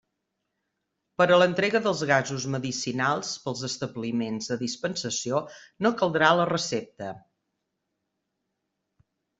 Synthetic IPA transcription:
pəɾələnt̪ɾeɣəðəlˠzɣazuzməðisinalˠspəlˠzəst̪əβlimenzðəðispənsəsionokəlˠd̪ɾalərəsep̚t̪ə

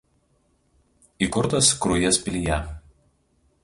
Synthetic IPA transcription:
iˑkʊɾt̪ɐskɾʊjɛspʲɪlʲɪjɛ

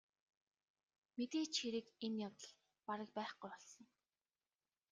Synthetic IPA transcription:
met̪eːt͡ɕxiɾɘ̆kenjawt̪ə̆ɮ | paɾə̆k̚pæːχɡujpɔɮsɞ̆ŋ

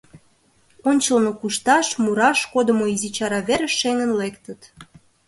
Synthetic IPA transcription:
onʲt͡ɕəlnokuʃt̪ɑʃmuɾɑʃkod̪əmoizit͡ɕɑɾɑβeɾə̆ːeŋənlekt̪ə̆t̪

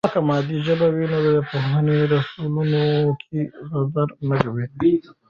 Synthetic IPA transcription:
kamɑd̪iʒəbawinod̪əd̪əpohɦaneɾəsulunokʰeɣazaɾnəkawi

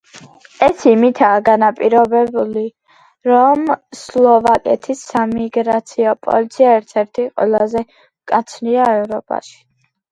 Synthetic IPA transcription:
ɛsimit̪ʰaːɡanapʼiɾɔbɛbuli | ɾɔmslˠɔvakʼɛt̪ʰisːamiɡɾat̪sʰiɔpʼɔ̰lit̪sʰiaɛɾt̪ʰɛɾt̪ʰiqʼwɛlˠazɛ | kʼat̪sʰniaɛvɾɔpʼa̰ʃi̥

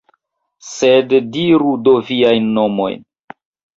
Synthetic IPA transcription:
seddiɾudo̞viajnːo̞mo̞̰jn

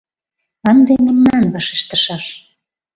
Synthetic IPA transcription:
ɑnd̪ememnɑnβɑʃeʃt̪əʃɑʃ

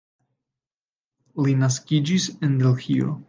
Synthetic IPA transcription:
linaskid͡ʒisendelxio̰

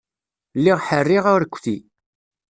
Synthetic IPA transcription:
lːiʁħərːiʁʊɾəkʷːθi

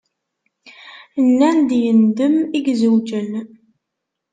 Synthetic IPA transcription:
nːænd̪jənd̪əmiɡzəwd͡ʒən

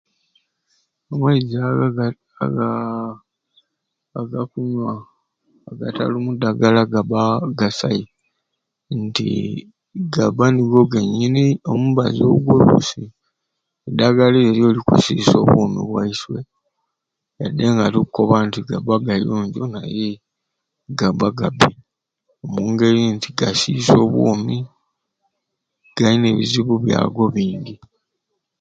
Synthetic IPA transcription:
omwaiza | ɡ | ɡakuɲwaː | ɡata̰lumudaɡalaɡabaɡasai | ntḭ | ɡaβaniɡoɡeɲːinio̞muβazo̰ɡwolṵsi | edaɡalieɾjo̞ːlikṵsiːso̞ːβwomḭβwa̰iswe̞ | jadːeŋɡatikuko̞βantiɡabaɡajoːɲɟonaje | ɡaβaɡabi | omuːŋɡe̞ɾintiɡasiːso̞ːβwoːmi | ɡ̥aine̞βiziβuβja̰ːɡo̞βiːɲɟi

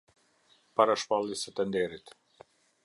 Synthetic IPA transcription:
paɾaʃpalˠisɛt̪ɛnd̪ɛɾit̪

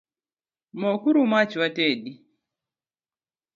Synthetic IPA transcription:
mɔkuɾumat͡ʃwateɗi

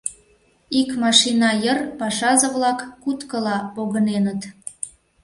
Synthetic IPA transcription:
ikmɑʃinɑjərpɑʃɑzə̆βlɑkːut̪kəlɑpoɣənenət̪

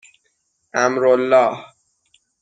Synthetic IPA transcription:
ʔæmɾolːɒːh

